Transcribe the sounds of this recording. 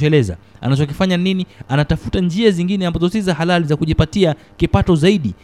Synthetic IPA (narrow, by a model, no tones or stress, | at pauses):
ɔɛlɛza̰a̰nat͡ʃɔkifaɲaninianatafutand͡ʒiaziŋɡinɛambazɔsizahalalizakuʄipatia | kipatɔzaiɗi